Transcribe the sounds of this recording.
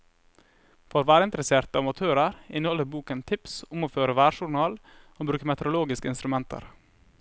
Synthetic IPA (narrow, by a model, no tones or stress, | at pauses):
foːɾʋæːɾəɪnt̪ɾəseːɾt̪ɑːʋʋɑt̪ʰøːɾəɾɪnəhɔlːəɾbuːkənt̪ʰɪpsʊmoːføːɾəʋæːɾʃʊɳɑːl | oːbɾʉːkəmɛt̪əɾʊloːɡɪskəɪnst̪ɾʉmɛnt̪ʰə̰ɾ